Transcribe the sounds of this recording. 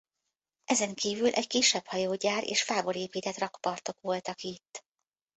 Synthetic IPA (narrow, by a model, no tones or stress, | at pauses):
ʔɛzɛŋkiːvylʔɛckiʃɛphɒjoːɟaːɾḛːʃfaːbo̞ɾeːpiːt̪ɛt̪rɒkpɒrt̪o̞kʋo̞lt̪ɒkit̪ː